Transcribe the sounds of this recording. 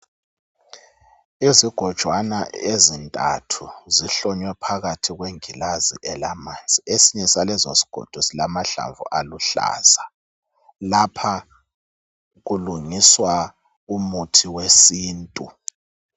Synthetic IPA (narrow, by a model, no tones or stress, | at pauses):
iziɡ̥ʱɔd̥ʒ̥ʱwanaezintʼa̰tʰuziɬɔɲwɛpʰaɣatʰiɣweŋilazḭʔɛlamant͡sʼiesiɲɛsalɛzosi̥ɡ̥ʱɔ̰d̥ʱɔsilamaɬa̰ɱvṵʔaluɬa̰ːza | lapʰa | ɣuluŋiswa | umutʰiwesiːntʼu